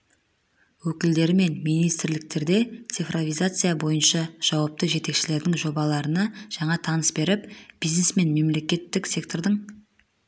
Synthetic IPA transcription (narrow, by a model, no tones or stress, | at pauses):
wɵkʲɪld̪e̞ɾɪme̞nmijnijst̪ɾlɪk̚t̪e̞ɾd̪e̞t̪sɨjfrovijzat̪sɨjabo̞jənʃɑʒ̥ɑwɑp̚t̪əʒe̞t̪e̞kʃɪle̞ɾd̪ɪŋʒo̞bɑlˠɑɾənɑʒ̥ɑɴɑt̪ʰɑnəsbe̞ɾɪpb̥izne̞sme̞nme̞mle̞kʲe̞t̪ːɪksʲe̞k̚t̪o̞rd̪əɴ